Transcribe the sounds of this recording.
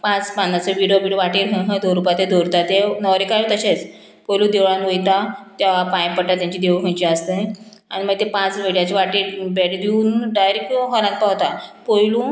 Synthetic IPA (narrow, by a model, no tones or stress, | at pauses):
pãt͡spanːasəʋiɽijoʋiɖijoʋaʈiːɾɦə̃ɦə̃d̪oɾupat̪ed̪ʱoɾt̪at̪enɔʋɾikajũt̪əɕet͡s | pojlũːd̪eʋɭãnʋojt̪at̪aʋapãjpəʈːat̪jãɲt͡ɕiːd̪eʋuɦə̃jt͡ɕiəst̪ə | aɽ̃iməɡ̚t̪epãt͡sʋiɽjat͡ɕiʋaʈibɛɽid̪iuːnɖajɾekɦɔlãnt̪̚paɦt̪apojlũː